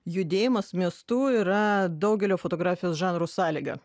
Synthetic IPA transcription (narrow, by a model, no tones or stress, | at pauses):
jʊd̪ʲeːjɪmɐsmʲiɛst̪uːiɾɐd̪ɐʊɡʲɛlʲoːfot̪oːɡɾɑːfʲɪjoːsʒɑːnɾoːsɑːlʲiːɡɐ̰